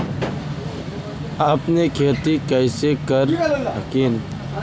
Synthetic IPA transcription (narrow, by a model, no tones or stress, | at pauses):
aːpnekʰeːt̪ikəɪsekəɾkiːn